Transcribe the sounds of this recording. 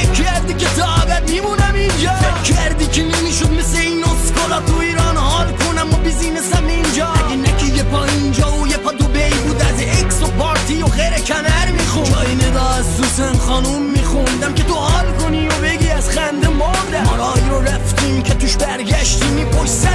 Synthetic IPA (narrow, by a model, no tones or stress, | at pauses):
eæɾd̪iket̪ʰɑbæd̪mimunæmind͡ʒɒːfjecʰæɾd̪iːkʰenemiːʃod̪̚mesleiːnoskolɑːt̪ʰuiːɾɑːnhɑːlkʰonæmːɑbiziːnesæmind͡ʒɒːæɡenækʰijepʰɒːind͡ʒɒːojepʰɒːd̪obejbuːd̪æz | eksopʰɒːɾt̪ʰijoɣeɾekʰænæɾmixund͡ʒɒːjined̪ɒːæzd̪usæmxɑːnumːiːxund̪æmke̞t̪ʰohɑːlkoniːobeɡiːæzχænd̪emɑːɾd̪æmɑɾɑːjiɾoɾæft̪iːmcʰet̪uʃbæɾɡæʃt̪imiːpʰoʃsæ